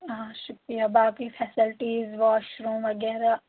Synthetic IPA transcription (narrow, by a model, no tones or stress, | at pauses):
ɦãːʃʊkɾijabaːpkifʰɛːsɪlʈiːzʋɔːʃɾõːʋɐɡɛːɾaː